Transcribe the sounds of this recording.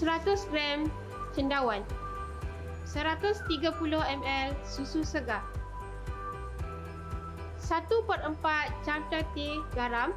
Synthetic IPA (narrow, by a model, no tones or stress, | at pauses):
səɾat̪ʊsɡɾɛm | t͡ʃəndawan | səɾat̪ʊst̪iɡapulʊhɛmɛlsususəɡa | sat̪upət̪əmpat̪̚t͡ʃamt̪ət̪eɡaɾam